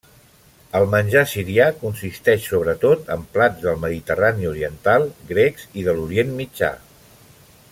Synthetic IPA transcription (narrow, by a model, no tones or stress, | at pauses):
əlˠmənʲʒasiɾiakunsist̪ɛʃsoβ̞ɾət̪ot̪ə̰mplad͡zðəlˠməðit̪əraniuɾiənt̪alˠɡɾɛkziðəluɾienmid͡ʒa̰